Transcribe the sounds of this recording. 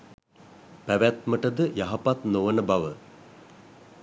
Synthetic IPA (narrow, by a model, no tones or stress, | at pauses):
pæʋæt̪məʈəd̪əjaɦapat̪noʋənəbaʋə